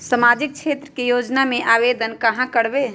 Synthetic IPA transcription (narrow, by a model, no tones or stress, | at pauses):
səmaːd͡ʒik̚t͡ʃʰeːt̪ɾəkejoːd͡ʒnamẽʔaːbed̪ənkəɦãkəɽbe